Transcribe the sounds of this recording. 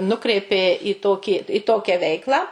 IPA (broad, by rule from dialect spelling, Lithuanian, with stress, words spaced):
ˈnʊkrʲɛɪpʲeː ɪ ˈtoːkʲiː ɪ ˈtoːkʲæː ˈʋʲɛɪklˠɑː